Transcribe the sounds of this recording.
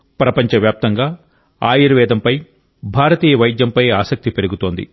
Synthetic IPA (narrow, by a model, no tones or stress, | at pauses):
pɾɐpɐɲt͡ʃɐʋjaːp̚t̪ɐŋɡaː | aːjiɾɐʋɛːd̪ɐmpɐj | bʱaːɾɐt̪iːjɐʋɐjd̪jɐmpɐjaːsɐk̚t̪ipe̞ɾuɡut̪o̞ːnd̪ḭ